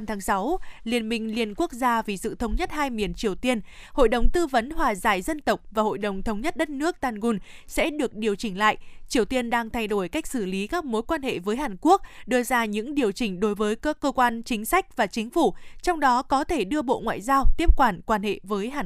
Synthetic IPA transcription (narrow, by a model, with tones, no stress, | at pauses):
t̪ʰaː˨˦ŋsa˨˦wli˨˩ənmï˨˩ŋ̟li˨˩ənku˦˥ək̚zaː˧vi˨˩sɨ̰˧˨t̪ʰə˨˦wŋ͡mɲə˦˥t̚haː˧jmi˨˩ənt͡ɕi˨˩əwt̪i˧ən | ho̰˧˨jɗə˨˩wŋ͡mt̪ɨ˧və˨˦nhwaː˨˩zaː˧˩jzə˧nt̪ə˨˩wk͡p̚vaː˨˩ho̰˧˨jɗə˨˩wŋ͡mt̪ʰə˨˦wŋ͡mɲə˦˥t̚ɗə˦˥t̚nɨ˦˥ək̚t̪aː˧nɣu˧n | sɛ̰˧˥ɗɨ˨˩ək̚ɗi˨˩əwt͡ɕï˧˩ŋ̟la̰ː˧˨jt͡ɕi˨˩əwt̪i˧ənɗaː˧ŋt̪ʰa˧jɗo˧˩jka˦˥jk̟̚sɨ˧˩li˨˦kaː˦˥k̚mo˨˦jkwaː˧nhḛ˧˨vəː˨˦jɦaː˨˩nku˦˥ək̚ɗɨ˧əzaː˧ɲɨ̰˧˥ŋɗi˨˩əwt͡ɕï˧˩ŋ̟ɗo˨˦jvəː˨˦jkːkːəː˧kwaː˧nt͡ɕï˨˦ŋ̟sa˦˥jk̟̚vaː˨˩t͡ɕï˨˦ŋ̟fu˧˩t͡ɕɔ˧wŋ͡mɗɔ˨˦kɔ˨˦t̪ʰe˧˩ɗɨ˧əɓo̰˧˨ŋwa̰ː˧˨jzaː˧wt̪i˦˥əp̚kwaː˧˩nkwaː˧nhḛ˧˨vəː˨˦jɦaː˨˩